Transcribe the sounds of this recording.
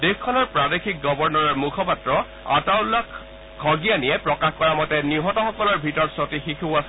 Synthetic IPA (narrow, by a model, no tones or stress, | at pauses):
dexkʰːɔnɔɹpɹadexʰik̚ɡɔbɔɹnɔɹɔɹmukʰɔpatɹɔ | a̰tawlak | ɡʰʱɔɡijanijɛpɹɔkaxkɔɹamɔtɛniɦɔtɔxɔkɔlɔɹbʱitɔɹtsotixikʰuasɛ